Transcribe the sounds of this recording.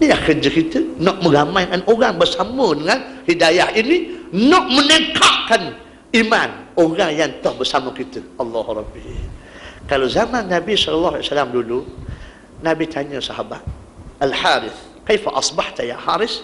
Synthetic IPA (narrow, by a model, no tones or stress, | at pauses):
nilahkəd͡ʒəkit̪ənɔʔmə̃ɡamajkanʔoɾaŋbərsamədəŋãnhidajahininɔʔmənəkaʔkan | imanoɣaŋjant̪ɔhbərsaməkit̪əʔɑlːɑːhuɾˤɑbi | kalawzamanːabisɔlɔlːahasalamdulu | nabit̪ʰaɲəsaɦabat̪̚ | alħaɾɪθ | kajfaʔɑsˤbaħt̪aja̰ħaɾɪs